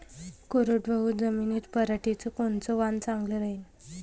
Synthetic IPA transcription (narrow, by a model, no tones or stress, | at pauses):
koɾoʈʋəɦud͡zəmiːnit̪pəɾaʈit͡səkoɳt͡sɔʋant͡sãŋɡləɾaɦin